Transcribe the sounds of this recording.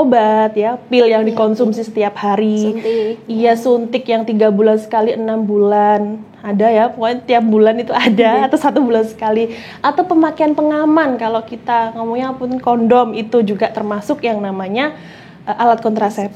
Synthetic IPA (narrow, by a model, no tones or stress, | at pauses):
obat̪̚japɪljaŋdikɔnsumsisə̥t̪iaphaɾi | ijasunt̪ɪkjaŋt̪iɡabulansə̥kaliʔənambulan | adajapəŋot̪iap̚bulanit̪uadaːt̪awsat̪ubulansə̥kali | at̪awpəmakeanpəŋamankalokit̪aŋəmuŋɲapʊnkɔndɔmit̪ud͡ʒuɡat̪ərmasʊkjaŋnamaɲa | əʔalat̪̚kɔnt̪ɾasɛp̚